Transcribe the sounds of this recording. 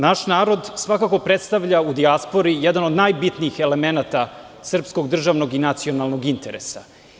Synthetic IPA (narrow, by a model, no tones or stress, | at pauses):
naʃnaːɾo̞d̪sʋakako̞pɾet̪st̪aʋʎaud̪iaspo̞ɾijɛd̪anod̪najbit̪niːxe̞lemenat̪a | sr̩psko̞ɡd̪r̩ʒaʋno̞ɡinat̪sionalˠno̞ɡint̪eɾḛsa̰